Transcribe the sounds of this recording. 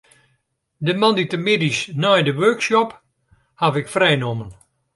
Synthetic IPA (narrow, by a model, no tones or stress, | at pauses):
dəmanditəmɪdisnɔjdəʋøːksjɔp | havɪkfrɛjnomən